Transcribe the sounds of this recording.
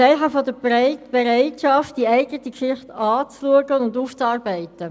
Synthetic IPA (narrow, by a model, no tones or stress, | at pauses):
sɛɪɦɑfɔdəb̥eɾæɪtʃɑft̚d̥iæɪɡətikʃɪχtɑːt͡sluəɡənʊnduːft͡sɑːɾbæɪtə